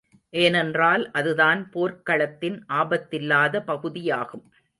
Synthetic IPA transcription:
ʔeːnɛndraːlʔɐðɯðaːnpoːɾkɐɭɐt̪ːɪnʔaːbɐt̪ːɪlːaːðɐpɐɣɯðɪjaːɣɯm

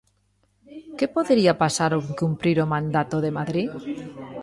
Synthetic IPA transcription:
kepoðeɾiapasaɾokumpɾiɾomãnd̪at̪oðemaðɾi

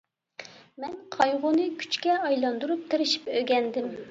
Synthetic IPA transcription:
mɛnqʰɑjʁʊnɨkʲʰy̥t͡ʃkʲɛɑjlˠɑnd̪uɾup̚t̪ʰeɾɪʃi̥pøɡʲɛnd̪ɪm

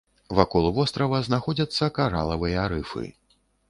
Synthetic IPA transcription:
vakɔlˠvɔst̪ɾɐvɐznaxɔd͡zʲɐt̪sːɐkaɾa̰lˠɐvɨjɐɾɨfɨ̰

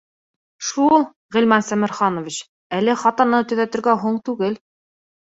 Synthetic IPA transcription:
ʃulˠ | ʁĭlmænsæmɘ̆ɾχɑnŏvʲit͡ɕ | ælɘχɑt̪ɑnɤt̪ɵ̆ðæt̪ɘ̆ɾɡæɦuɴt̪ʉɡɘl

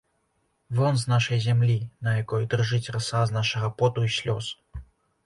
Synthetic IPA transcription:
vɔnznaʂɐjzʲamlʲinɐjakɔjd̪ɨrʐɨt͡sʲrɐsaznaʂɐɣɐpɔt̪uisʲlʲɔs

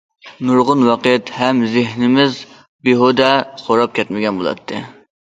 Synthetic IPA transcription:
nuɾʁʊnwɑqjɛt̪hɛmzɪɦnɪmɪz | beɦod̪ɛχoɾɑp̚kʲɛt̪mɪɡʲɛnbo̰lˠɑ̰t̪ʰːɨ

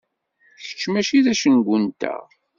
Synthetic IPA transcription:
çə̥t͡ʃːmæʃiðæʃənɡʷʊnt̪æ̰ʁ

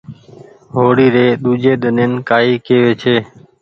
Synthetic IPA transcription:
ɦoːɽiːɾeːɗ̪uːd͡ʒeːɗ̪əneːnkaːiːkeːʋeːt͡ʃʰeː

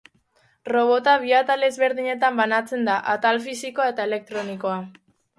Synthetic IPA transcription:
ro̞β̞o̞t̪aβ̞iat̪ale̞zβe̞ɾðiɲe̞t̪ambanat͡se̞nd̪aʔat̪alfisikoae̞t̪ae̞le̞k̚t̪ɾo̞nikoa

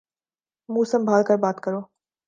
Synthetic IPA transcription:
mũːsə̃mbʱaːlkəɾbaːt̪kəɾoː

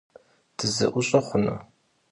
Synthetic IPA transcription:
d̥ʰɨzɐ̰ʔʷʊɕʼɐχʷʊnɐ̰

